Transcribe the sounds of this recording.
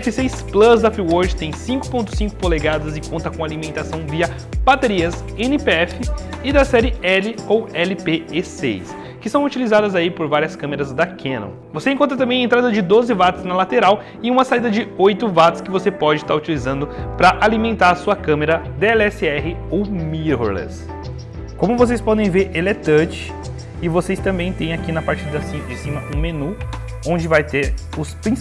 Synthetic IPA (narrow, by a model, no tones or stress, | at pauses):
ɛfɪsejsplɐzd̪ɐfɾuwoɾd͡ʒɪt̪ẽj̃sĩkʊ̥põnt̪ʊ̥sĩŋkʊ̥koleɡad̪ɐzɪkõnt̪ɐkõalimẽnt̪asɐ̃w̃viɐ | b̥at̪eɾiɐsẽnɪpeɛfɪɪd̪ɐsɛɾɪɛlɪowɛlɪpeesḛjs | kɪsɐ̃w̃ut͡ʃilizad̪ɐzaipoɾvaɾiɐskɐ̃meɾɐzd̪ɐkʰẽnõ̰w | vosẽkõt̪ɾt̪ɐ̃mbẽɐẽnt̪ɾad̪ɐd͡ʒɪd̪ozɪvat̪ʊ̥snɐlat̪eɾaw | ɪũmɐsaid̪ɐd͡ʒɪojt̪ʊvat̪ʊ̥skɪvosepɔd͡ʒɪst̪aɾut͡ʃilizɐ̃nd̪ʊpɾɐʔalimẽnt̪aɾɐsuɐkɐ̃meɾɐd̪eɛlɛsɪɛɦɪowmiɦoɾlɛ̰s | kõmʊvos̬ejspɔd̪ẽj̃veɾelet̪ɐt͡ʃɪ̥ | ɪvosejst̪ɐ̃mbẽj̃t̪ẽj̃akinɐpaɾt͡ʃɪd̪ɐsid͡ʒɪsĩmɐʔũmenu | õnd͡ʒɪvajt̪eɾʊspɾĩ